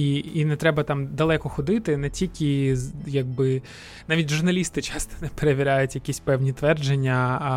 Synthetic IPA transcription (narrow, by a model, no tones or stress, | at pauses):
iinɛt̪ɾɛbɐt̪ɑmd̪ɐlˠɛkɔxɔd̪ɪt̪ɪnɛtʲilʲkʲɪjɐɡ̚bɪ | nɑʋʲitʲʒʊrnɐlʲist̪ɪt͡ʃɑst̪ɔ̥nɛpeɾeʋʲiɾʲajʊtʲjɐkʲisʲpɛwnʲit̪ʋɛrd͡ʒenʲːɐ